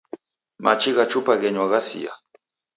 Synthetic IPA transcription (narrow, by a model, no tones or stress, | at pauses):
mat͡ʃiɢat͡ʃʊpaɣeɲwaɣasḭja̰